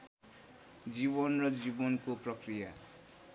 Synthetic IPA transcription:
d͡zibʌnrʌd͡zibʌnkoprʌkrija

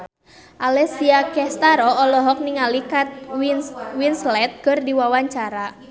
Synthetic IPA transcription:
ʔalɛsiakɛst̪aɾɔɔlɔɦɔk̚niŋalikat̪̚ | winslɛt̪̚ɡ̥ɔrdiwawaɲt͡ʃaɾa

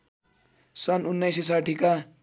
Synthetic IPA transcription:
sʌnunːʌjsis̬aʈʰika

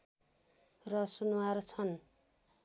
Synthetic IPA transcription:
rʌsunwart͡sʰʌn

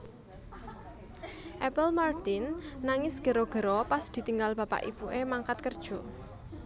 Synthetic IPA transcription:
ʔɛpəlmart̪ɪnːaŋɪsɡ̥ə̤ɾɔɡ̥ə̤ɾɔpasd̪̥i̤t̪iŋɡalb̥a̤pa̰ʔḭb̥uʔemaŋkat̪̚kərd̥ʒ̥o̤

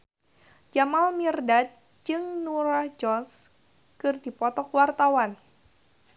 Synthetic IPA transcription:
d͡ʒamalmirdat̪̚ | d͡ʒɨŋnuɾahd͡ʒɔns | kɨrdipɔt̪ɔkwart̪awan

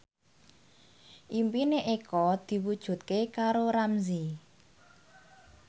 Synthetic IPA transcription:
ʔimpineʔekɔd̪̥i̤wud̥ʒ̥ṳt̪̚kekaɾoɾamzi

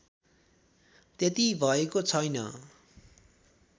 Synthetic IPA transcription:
t̪et̪ibʱʌekot͡sʰʌjnʌ̰

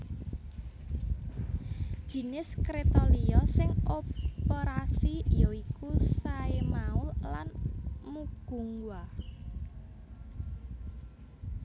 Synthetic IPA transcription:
ʒ̥i̤nɪskɾet̪ɔliɔsɪŋopeɾasijɔikusaemaʊllanmuɡ̥ṳŋɡwa

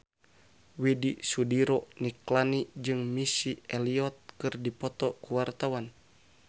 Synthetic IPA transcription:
widisudiɾɔniklanid͡ʒɨŋmisiɛliɔt̪̚kɨrdipɔt̪ɔkuwart̪awan

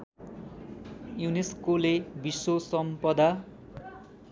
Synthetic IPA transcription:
juneskolebisosʌmpʌd̪a

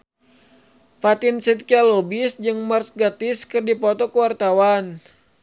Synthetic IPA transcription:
fat̪insit̪̚kialɔbisd͡ʒɨŋmarsɡat̪ɪskɨrdipɔt̪ɔkəwart̪awan

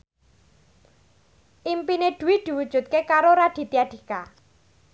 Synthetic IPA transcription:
ʔimpined̪̥ṳwid̪̥i̤wud̥ʒ̥ṳt̪̚kekaɾoɾad̪̥i̤t̪iaɖ̪̥i̤ka

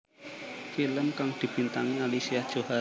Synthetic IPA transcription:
filəmkaŋd̪̥i̤b̥int̪aŋialisiad̥ʒ̥oha

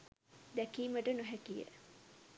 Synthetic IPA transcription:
d̪ækiːməʈənuɦækijə̰

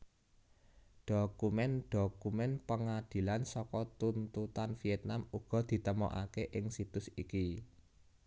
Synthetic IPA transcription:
ɖ̥okumɛnɖ̥okumɛnpəŋad̪̥i̤lansɔkɔt̪unt̪ut̪anfiɛt̪̚namuɡ̥ɔ̤d̪̥i̤t̪əmɔ̰ʔa̰keʔɪŋsit̪ʊsiki

